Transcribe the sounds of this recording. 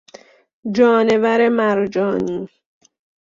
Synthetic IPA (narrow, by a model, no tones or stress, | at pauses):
d͡ʒɒːnevæɾemæɾd͡ʒɒːniː